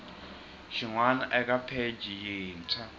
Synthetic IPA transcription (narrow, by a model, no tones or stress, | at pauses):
ʃiŋwanaʔɛk̬ʼapʰed͡ʒʱijiːnt͡sʰa